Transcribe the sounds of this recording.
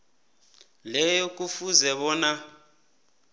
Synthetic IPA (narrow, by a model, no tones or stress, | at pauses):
lɛjɔk̬ʼufuzɛɓɔːna